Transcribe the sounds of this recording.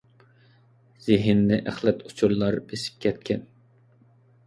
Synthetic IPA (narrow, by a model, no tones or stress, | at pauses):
z̥ɪɦɪnːɪʔæχlɛt̪ʰut͡ʃʰuɾlˠɑɾb̥esɪ̥p̚kʲʰɛt̪̚kʲɛn